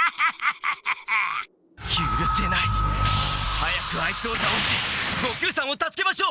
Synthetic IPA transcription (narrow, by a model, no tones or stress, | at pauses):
çʲɯːɾɯse̞nai | hajakɯ̟aisoːzaoɕi̥t̪eɡokʲɨːsãɰ̃ot̪at͡sɨ̥ke̞maɕo̞ː